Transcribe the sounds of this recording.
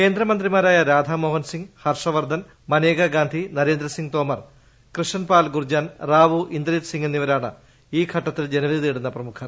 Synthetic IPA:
ke̞ːnd̪ɾɐmɐnd̪rimaːɾaːjɐɾaːd̪ʱɐmoːɦɐnsiŋɡhɐrʂɐʋɐrd̪ʱɐn | mɐneːɡɐɡaːnd̪ʱinɐɾe̞ːnd̪ɾɐsiŋɡt̪oːmɐr | krɨʂɐnpaːlɡurd͡ʑaːnraːʋuʔind̪ɾit̪siŋenːiʋɐɾaːɳɨ̰ | iːkʰɐʈːɐt̪ːild͡ʑe̞nɐʋɐðit̪iːɽunːɐprɐmukʰɐm

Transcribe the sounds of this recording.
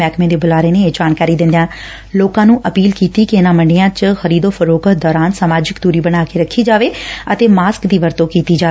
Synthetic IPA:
ɛːkmẽːd̪eːbʊlaːɾeːnẽːeːd͡ʒaːnkaːɾiːd̪ɪnd̪ejãː | loːkãːnũːʔəpiːlkiːt̪iːkiɪnãːməɳɖɪjãːt͡ʃxəɾiːd̪oːpʰəɾoːkət̪̚d̪ɔːɾaːnsəmaːd͡ʒɪkd̪uːɾiːbəɽ̃aːkeːɾəkʰːiːd͡ʒaːʋeːət̪eːmaːskd̪iːʋəɾt̪oːkiːt̪iːd͡ʒaː

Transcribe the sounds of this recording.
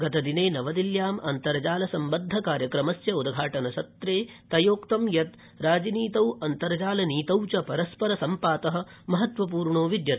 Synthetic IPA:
ɡɐt̪ɐd̪ineːnɐʋɐd̪iljaːmɐnt̪ɐɾɐd͡ʒaːlɐsɐmbɐnd̪ʱːɐkaːɾjɐkɾɐmɐsjɐud̪ɡʱaːʈɐnɐsɐt̪ɾeːt̪ɐjoːkt̪ɐmjɐt̪ | ɾaːd͡ʒiniːt̪ɐwɐnt̪ɐɾɐd͡ʒaːlɐniːt̪ɐwt͡ʃɐpɐɾɐspɐɾɐsɐmpaːt̪ɐɦɐ̆mɐɦɐt̪ʋɐp̬uːɾɳoːʋid̪jɐɾ

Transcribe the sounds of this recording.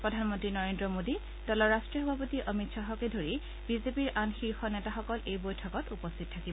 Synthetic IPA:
pɹɔdʱanmɔntɹinɔɹendɹɔmodi | d̥ɔlɔɹastɹiɔɦɔbʱapotiʔɔmitsɔɦɔkɛdʱoɹi | bizepiɹʔanxiɹxɔnɛtaxɔkɔlʔejbojtʰɔkɔtupɔstʰit̚tʰːakibɔ

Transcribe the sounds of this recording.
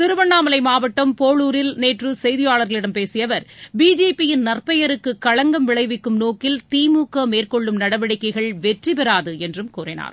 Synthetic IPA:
t̪ɪɾɯʋɐɳːaːmɐlɐɪmaːʋɐʈːɐmpoːɭuːɾɪlneːʈrɯsɛjðɪjaːɭɐɾɣɐɭɪɽɐmpeːsɪjɐʋɐɾbiːd͡ʒeːpːɪjɪnnɐrpɐjɐɾɯkːɯkːɐɻɐŋɡɐmʋɪɭɐɪʋɪkːɯmnoːkɪlt̪iːmuːkːɐmeːrkɔɭːɯmnɐɽɐʋɐɽɪkːɐɪɣɐɭʋɛʈripɛɾaːðɯɛndrɯmkuːrɪna̰ːɾ

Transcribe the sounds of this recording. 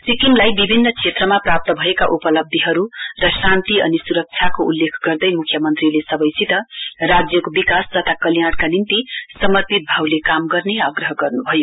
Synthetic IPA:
sikimlajbibʱinːʌkʰet̪rʌmaprap̚t̪ʌbʱʌeka̰ʔupʌlʌb̚d̪ʱiɦʌɾurʌsant̪iʌ̰nisuɾʌk̚t͡sʰjakoulːekʰɡʌrd̪ʌjmukʰːjʌmʌnt̪rilesʌbʌjsit̪ʌrad͡zjʌkobikast̪ʌt̪ʰakʌljaɽkanint̪isʌmʌrpit̪̚bʱawlekamɡʌrneaɡrʌɦʌɡʌrnubʱʌjo

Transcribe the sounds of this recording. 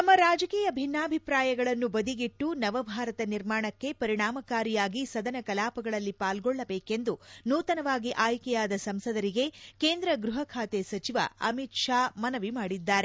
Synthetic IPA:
t̪ɐmːɐɾaːd͡ʒɐkiːjɐbʱinːaːbʱipɾaːjɐɡɐɭɐnːubɐd̪iɡiʈːunɐʋɐbʱaːɾɐt̪ɐniɾmaːɳɐkːe̞pɐɾiɳaːmɐkaːɾijaːɡisɐd̪ɐnɐkɐlaːpɐɡɐɭɐlːipaːlɡɔɭːɐbeːke̞nd̪unuːt̪ɐnɐʋaːɡiʔaːjkɛjaːd̪ɐsɐmsɐd̪ɐɾiɡe̞ke̞ːnd̪ɾɐɡɾuɦɐkʰaːt̪esɐt͡ʃiʋɐ̰ɐ̰mit̪ʂaːmɐnɐʋimaːɽid̪ːaːɾe

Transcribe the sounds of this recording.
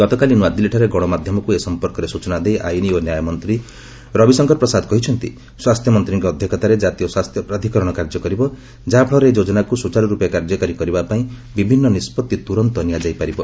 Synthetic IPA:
ɡ̥ɔt̪ɔkalinuad̪ileʈʰaɾeɡɔɽ̃ɔmad̪ʱjɔmɔkuesɔmpɔɾkɔɾesut͡ʃɔnad̪ejʔajnionjajɔmɔnt̪ɾi | ɾɔbisɔŋkʰɔɾpɾɔsad̪kɔɦit͡ʃʰɔnt̪ḭ | swast̪ʰjɔmɔnt̪ɾiŋkɔːd̪ʱjɔkʰɔt̪aɾed͡ʒat̪ijɔswast̪ʰjɔpɾad̪ʱikɔɾɔɽ̃ɔkaɾd͡ʒɔkɔɾibɔ | d͡ʒabʱɭɔɾeed͡ʒod͡ʒɔnakusut͡ʃaɾɔɾupjekaɾd͡ʒɔkaɾikɔɾibapaĩbibʱinːɔnispɔt̪ːit̪uɾɔnt̪ɔnijad͡ʒajpaɾibɔ

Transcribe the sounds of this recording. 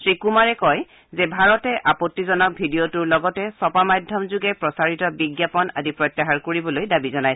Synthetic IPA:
sɹikumaɹɛkɔj | zɛbʱaɹɔtɛʔapotːizɔnɔk̚bʱidiotuɹlɔɡɔtɛsɔpamadʱjɔmzuɡɛpɹɔsaɹitɔbiɡjapɔna̰dipɹɔjtːaɦaɹkoɹibɔlojdabizɔnaj

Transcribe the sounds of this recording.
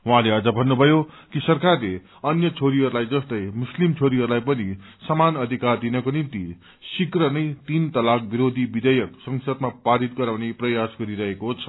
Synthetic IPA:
wɦãleʌd͡zʌbʱʌnːubʱʌjo | kisʌrkarle | ʌnjʌt͡sʰoɾiɦʌɾulajd͡zʌst̪ʌjmuslimt͡sʰoɾiɦʌɾulajpʌni | sʌmanʌd̪ʱikard̪inʌkonint̪i | sikrʌnʌjt̪int̪ʌlak̚biɾod̪ʱibid̪ʌjʌksʌŋsʌd̪mapaɾit̪̚ɡʌɾawneprʌjasɡʌɾiɾʌɦekot͡sʰʌ̥

